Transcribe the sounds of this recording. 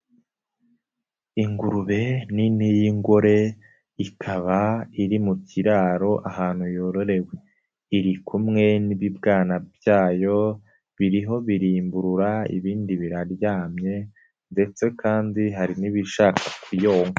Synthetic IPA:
iŋɡuɾuβe̞ninijiŋɡoɾe̞ | ikʰaβaiɾimuciɾaːɾo̞ʔahaːn̥hujo̞ɾo̞ɾe̞we̞ | iɾikʰumŋe̞niβibɡaːnabjaːjo̞ | βiɾiɦo̞βiɾiːmbuɾuɾaḭβiːndiβiɾaɾjaːmɲe̞ | nde̞t͡se̞kʰaːndiɦaɾiniβiʃaːkʰakujoːŋɡaa

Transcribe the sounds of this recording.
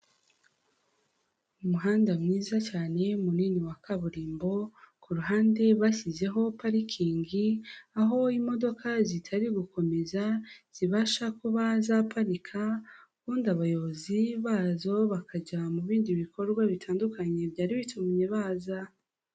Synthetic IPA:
umuɦaːndamŋiːzat͡ʃaːne̞muniːniwakaβuɾiːmbo̞kuɾuɦaːnde̞βasize̞ɦo̞paɾikʰiːŋɡiaɦo̞imo̞do̞kʰazitʰaɾiɡuko̞me̞zaz̥iβaʃakuβazapʰaɾikʰa | kuːndaβajo̞βoziβaːzo̞βakʰad͡ʒamuβiːndiβiko̞ɾɡwaβitʰaːndukʰaɲe̞bɟaːɾiβitʰumɲe̞βaːza

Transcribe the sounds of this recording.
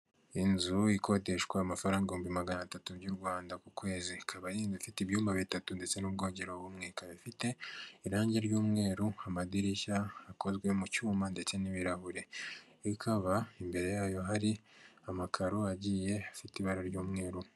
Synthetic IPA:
inzuiko̞de̞ʃkwaamafaɾaːŋɡauːmbimaɡanatatubɟuɾɡwaːndakukwe̞ːzikʰaβajiːnzifitiβjuːmbaβitatunde̞t͡se̞nub̚ɡo̞ːɲɟe̞ɾoβuːmŋeːkaɾifite̞iɾaːɲɟe̞ɾɟuːmŋe̞ːɾuamadiɾiçaːko̞zɡwemucuːmande̞t͡se̞niβiɾahuɾe̞ | ikʰaβaimbe̞ɾe̞jaːjo̞ɦaɾiamakʰaɾoaɟiːje̞afitiβaɾaɾɟuːmŋe̞ːɾu

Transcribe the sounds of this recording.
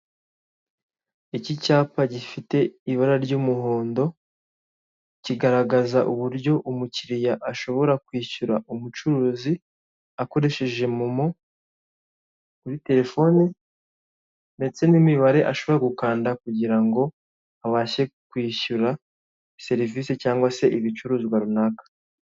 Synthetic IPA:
icicaːpaɟifite̞iβaɾaɾɟuːmuho̞ːndo̞ | ciɡaɾaɡazaʔuβuɾɟo̞ʔumuciɾijaʔaʃo̞βo̞ɾakwiːʃuɾaʔumut͡ʃuɾuːzi | ako̞ɾe̞ʃeʒe̞mumo | kuɾite̞ɾe̞fo̞ːni | ne̞t͡se̞nimiβaɾe̞ʔaʃo̞βo̞ɾekukaːndakuɟiɾaŋɡo̞ | aβaːʃe̞kwiːʃuɾa | se̞ɾiviːsecaːŋɡwase̞ʔiβit͡ʃuɾuːziwaɾunakḁ

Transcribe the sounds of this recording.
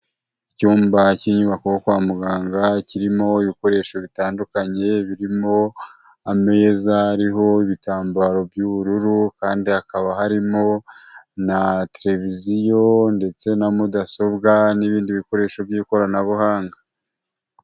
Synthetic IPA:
icuːmbaciɲuβakohokwaːmuɡaːŋɡaciɾimo̞iβiko̞ɾe̞ːʃo̞βitaːndukaɲe̞βiɾimo̞ | ame̞zaːɾiɦo̞iβitaːmbaɾo̞bjuβuɾuɾukaːndihakaβaɦaɾimo̞nateɾe̞vizijo̞nde̞t͡se̞namudaso̞bɡaniβiːndiβiko̞ɾe̞ːʃo̞bjiːko̞ɾanaβuhaːŋɡḁ

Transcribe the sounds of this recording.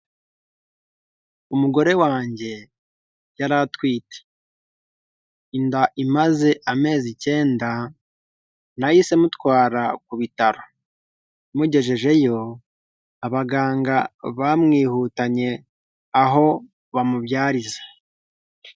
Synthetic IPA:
umuɡo̞ɾe̞waːɲɟe̞ | jaɾatwiːte̥ | indaʔimaze̞ʔame̞ːzice̞ːnda | najise̞mutwaːɾakuβitaɾo̞ | muɟe̞ʒe̞ʒe̞jo̞ | aβaɡaːŋɡaβamŋiːhuːtaɲe̞ | aɦo̞ | βamuβjaːɾizḁ

